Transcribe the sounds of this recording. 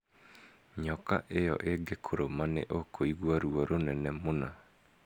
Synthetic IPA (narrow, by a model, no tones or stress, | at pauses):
ɲɔka̰ʔejɔ̰ʔeɡekʰoɾomanḛʔokʰoiɣwaɾuaɾonɛnɛmona